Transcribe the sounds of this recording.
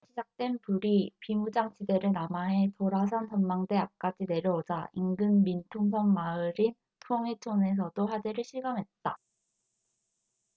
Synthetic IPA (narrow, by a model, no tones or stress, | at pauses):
ɕʰid͡ʑak̚t͈we̞npuɾipimud͡ʑaŋt͡ɕide̞ɾɯnamaɦe̞toɾas̬ʰansʰʌnmaŋde̞ap̚k͈ad͡ʑine̞ɾjʌod͡ʑaiŋɡɯnmintʰoŋs̬ʰʌŋmaɯɾin | tʰoŋet͡ɕʰone̞s̬ʰʌdoɸwad͡ʑe̞ɾɯɭɕʰiɡʌmɦe̞t̚t͈a